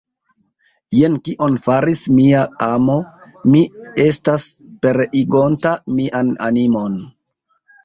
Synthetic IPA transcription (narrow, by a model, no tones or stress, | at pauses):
je̞nkiʔo̞nfaɾismiaamo̞ | mie̞staspe̞ɾiɡo̞ntamiʔana̰nimo̞n